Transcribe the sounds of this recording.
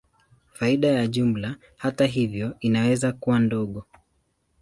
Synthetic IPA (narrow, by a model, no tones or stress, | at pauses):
faiɗajaʄum̩la | hataɦivjɔinawɛzakuwandɔɠɔ